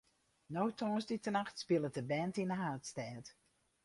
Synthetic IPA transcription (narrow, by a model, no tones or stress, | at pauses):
nowtʰɔːnsditənaxtspɪlˠətəbɛntinəɦaːtstɛːt